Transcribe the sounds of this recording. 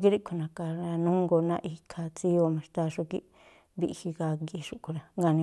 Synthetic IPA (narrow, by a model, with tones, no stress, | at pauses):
k̬i˦ɾi˦kʰu˧nã˨ka˧ɾa˧nũ˦ŋɡo˧nã̰˦˧ʔi˧kʰa˧t͡si˦o˧mã˧ʂt̪a˧ʂu˧kḭ˦ | βḭ˧hi˧ka˧ɡi˧ʂu˧ku˧ɾa˧ŋɡa˧nĩ˧